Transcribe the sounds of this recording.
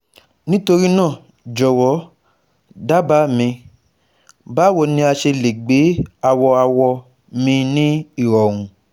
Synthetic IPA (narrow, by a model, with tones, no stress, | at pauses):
nĩ˦to˧ɾi˦nãː˦˨ | d͡ʒɔ˨wɔ˨˦ | da˦ba˨˦mĩ˧ | ba˨˦wo˦˧˨nĩ˧a˧ʃe˧le˨ɡ͡be˨˦a˧wɔ˧a˧wɔ˧ | mĩ˧nĩ˦i˦˨ɾɔ˨w̃ũ˨